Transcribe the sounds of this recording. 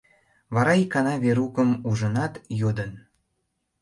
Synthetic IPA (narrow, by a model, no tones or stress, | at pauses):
βɑɾɑikɑnɑβeɾukəmuʒə̆nɑt̪jod̪ən